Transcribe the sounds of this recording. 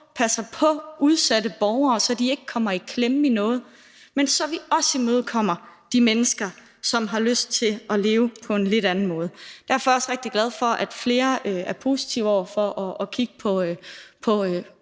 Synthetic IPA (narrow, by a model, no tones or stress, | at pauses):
pʰæsɐpʰɒ̽ʔuð̞ˠsædəb̥ɒʊɐːsɒd̥ie̝ɡ̥əkʰɒ̽m̰ɐikʰlem̩inɔ̽ːð̞̩ˠ | mensɒ̽ʋiɒ̽simøð̞̩ˠkʰɒ̽m̰ɐd̥imenəsɡ̥ɐ | sɒ̽mɦɑ̈løsd̥̚t͡sʰe̝lɒ̽le̝ːʊpʰɒ̽e̝nle̝ɾ̥ænn̩mɔ̽ːð̞̩ˠd̥æɐfɒ̽æɐɒ̽sʁɛɡ̥̚d̥iɡ̥læð̞ˠfɒ̽ʔæd̥fle̝ːɐøæɐpʰo̝ːsi̥t͡sʰiʊɒʊɐfɒ̽ʔːkʰiɡ̥əpʰɒ̽pʰɒ̽ø